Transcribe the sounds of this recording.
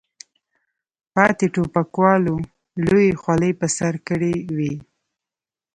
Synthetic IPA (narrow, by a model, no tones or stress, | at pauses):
pɑt̪eʈopakwɑlo | lojexwaləjpəsaɾkəɽewi